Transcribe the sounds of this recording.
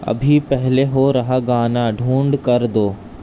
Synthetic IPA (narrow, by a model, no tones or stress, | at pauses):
ɐ̰bʱipɛɦleɦoɾɐɦaɡaːnaɖʱũːɳɖkɐɾd̪oː